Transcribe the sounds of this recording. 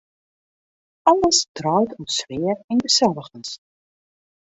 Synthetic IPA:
ɑlˠəsdrœwtutsʋɪːərɪnɡəsɛlˠəɣəns

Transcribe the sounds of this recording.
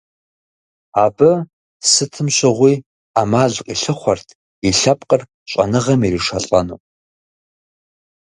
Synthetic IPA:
aːbɨ | sɨtʰɨmɕɨʁʷiː | amaːʑqʼiɬɨχʷɐrtʰ | iɬɐpʼqʼər | ɕʷʼɐ̰nɨʁɐmiriʂɐɬʼɐnṵː

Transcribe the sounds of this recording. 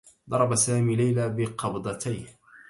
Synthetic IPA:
d̪ˤɑɾˤɑbasaːmiːlajlaːbɪqɑbd̪ˤɑt̪ʰaj

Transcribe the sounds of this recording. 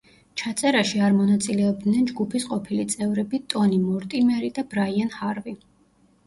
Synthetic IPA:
t͡ʃʰat̪sʼɛɾaʃiaɾmɔnat̪sʼilɛɔb̚d̪nɛnd͡ʒɡupʰisqʼɔpʰilit̪sʼɛvɾɛbit̪ʼɔnimɔɾt̪ʼimɛɾid̪ab̥ɾaianhaɾvi

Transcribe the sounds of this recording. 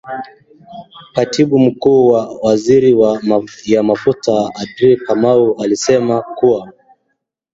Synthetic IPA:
katʰiɓum̩kuːwawaziɾiwajamafutaadɾikamaualisɛmakuwa

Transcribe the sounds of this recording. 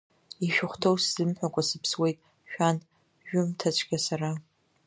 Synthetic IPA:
iʃᶣʊχʷtʰowsz̥ɨmħʷakʷʼasɨpʰswe̞jtʼ | ʃᶣan | ʒᶣʊmtʰat͡ʃʷʰɡʲasara

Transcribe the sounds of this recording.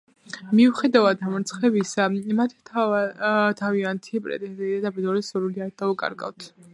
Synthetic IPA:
miuχɛd̪avad̪amɾt̪sʰχlɛbisamat̪ʰ | t̪ʰaviant̪ʰipʼɾɛ̰t̪ʼɛnzɛad̪apid̪ɔɾɛsuɾuliaɾd̪aukʼa̰ɾɡa̰vt̪ʰ

